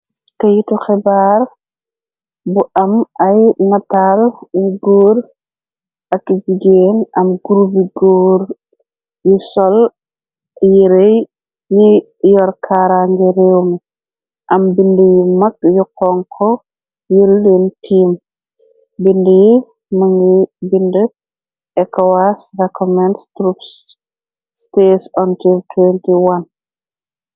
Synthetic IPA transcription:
tejitɔxɛbaɾ | buʔamajnatalwiɡoːɾ | akːiɡiɡenamɡuɾubiɡoːɾ | jusɔl | jiɾej | ji | jɔɾkʰaɾaŋɡɛɾewm | ʔambindəjimak̚jukɔŋkʰɔ | julːintʰiːm | bindəji | məŋɡibində | ʔɛkawasɾekɔmɛndstɾups | stesantiltʰwɛntiwan

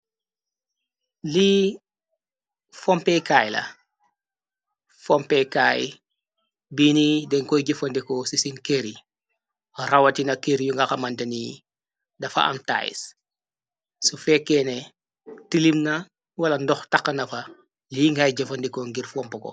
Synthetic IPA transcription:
liː | fɔmpɛjkaːjlɐ̰ | fɔmpɛjkaj | binidɛŋkɔjɟɐfɐndikɔsisinkeɾi | ɾɐwɐtinɐkeɾijuŋɡɐxɐmɐntɐni | dɐfɐ̰ʔɐ̰mta̰jḭs | sufɛkːɛnɛ | tilimnɐ | wɐlɐndɔxtɐkːɐnɐfɐ | liːŋɡajɟɐfɐndikɔŋɡirfɔmpɐkɔ̰

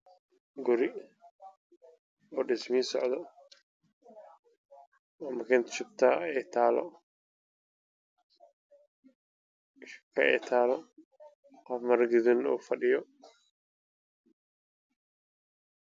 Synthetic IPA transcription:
ɡʊɾɪ | ɔːɖɪsmiːsɔʕd̪ɔ | ɔmɐkʰɛnt̪ʃɪb̚t̪ʰaːɛt̪ʰaːlɔ̰ | kʰɐ̰ɛ̰t̪ʰaːlɔ | qɔfmɐrɡɪðɪnṵːfɐɖɪjɔ

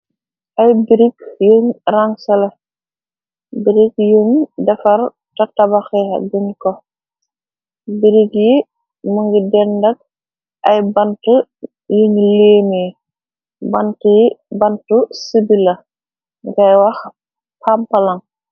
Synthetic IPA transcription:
ʔɐjbiɾikjuŋraŋsɐlɐ | biɾikjuŋdɛfɐɾ | tɐtabaxɛɐ̰bunkɔ | biɾikji | muŋɡidɛndɐk̚ | ʔɐjbɐntu | juŋleːmeː | bɐntibɐntusibilɐ | ŋɡɐjwɐx | pʰampɐlɐŋ

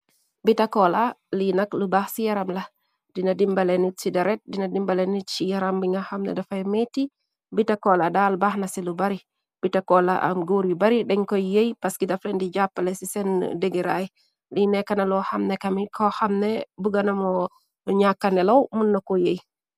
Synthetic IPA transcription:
bitakɔlalinɐklubaːhsijaɾamla | d̥inadimbalenit̚t͡ʃidaɾɛt̚dinadimbalɛnit̚t͡ʃijaɾambiŋaxamnɛ̰dafajmeti | bitakɔladalbaːhnasilubaɾi | b̥itakɔlaʔa̰mɡoɾibaɾiɗɛŋkɔjejpaskidaflɛndid͡ʒapːalɛsisɛn̰deɡeɾaji | linɛkːanalɔxamnɛkɐmikʰɔxamnɛbuɡanamɔ | ɲakːanɛlowmunːakɔjej

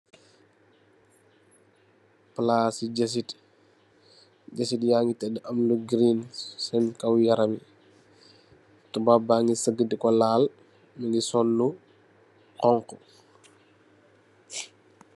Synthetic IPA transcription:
plaːsiɟɐs̬it | ɟɐsitjaːŋɡitɛdəʔɐmluɡɾiːnsɛnkɐwjɐɾɐmi | tubabaŋɡisəɡːədikɔlaːl | miŋɡisɔnːu | qɔŋkɔ

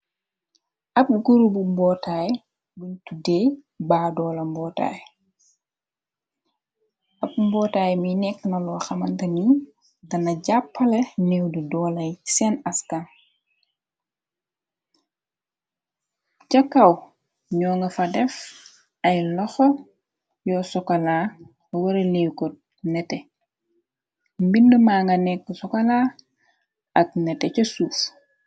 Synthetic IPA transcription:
ʔɐp̚ɡuɾubumbɔːtaj | buɲtudɛː | baːdɔːlɐmbɔːta̰ːj | ɐp̚mbɔːtaːjminɛkːnɐlɔːxɐmɐntɐni | ɡɐnɐɟapːɐlɐnɛwdidɔːlɐjsɛnɐskan | cɐkːɐw | ɲɔːŋɡɐfɐdɛf | ɐjlɔxɔ | jɔsɔkɐlaː | wɐɾelewkɔt̚ | nɛtɛ | mbindumaːŋɡɐnɛkːusɔkɐlaː | ʔɐk̚nɛtɛcɐsuːf

